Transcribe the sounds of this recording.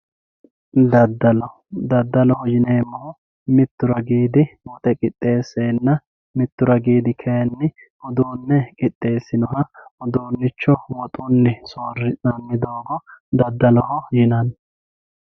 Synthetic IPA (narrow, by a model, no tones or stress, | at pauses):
d̪ɐd̪ːɐlɔ | d̪ɐd̪ːɐlɔhɔjɪneːmːɐhʊ | mɪt̪ːʊɾɐɡiːd̪ɪwɔt̪ʼɛkʼɪt̪ʼːe̞ːsːeːnːɐ | mɪt̪ːʊɾɐɡiːd̪ɪkʰenːɪ | ɔd̪uːnːɛkʼɪt̪ʼːe̞ːsːɪnɔhɐɔd̪uːnːɪt͡ʃːɔwɔt̪ʼʊnːɪsoːrɪsɐmːɪd̪oːɡɔd̪ɐd̪ːɐlɔhɔjɪnɐn